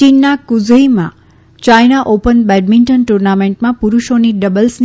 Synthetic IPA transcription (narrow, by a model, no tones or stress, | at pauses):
inːakuzəimã̰ | t͡ʃajnaʔopənbɛɖmiɳʈənʈuɾnamẽɳʈmãpuɾuʃoniɖəbəlsn